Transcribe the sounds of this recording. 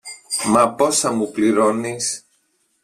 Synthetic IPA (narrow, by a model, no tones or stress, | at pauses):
mɐpo̞sɐmupliɾo̞nis